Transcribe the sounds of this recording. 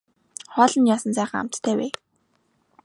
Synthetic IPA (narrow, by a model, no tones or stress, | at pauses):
χɔːɮɞ̆njaːsə̆nt͡sæːχə̆ŋa̰m̥t̪t̪ʰːæːweː